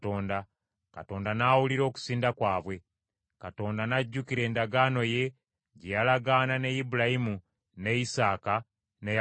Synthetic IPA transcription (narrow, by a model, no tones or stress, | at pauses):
oːnda | kato̞ːndanaːwuliɾo̞ːku̥siːndakwaːβwe̞ | kato̞ːndanaɟːukiɾe̞ːndaɡano̞je̞ | ɟejalaɡanane̞jibulajimu | ne̞isaːka | nej